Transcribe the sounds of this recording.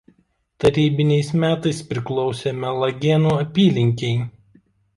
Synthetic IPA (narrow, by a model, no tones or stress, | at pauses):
t̪ɐɾʲiːbʲɪnʲɛɪsmʲæːt̪ɐɪspʲɾʲɪklˠɔʊsʲemʲɛlˠɐɡʲɛnuːɐpʲiːlʲɪŋʲkʲɛɪ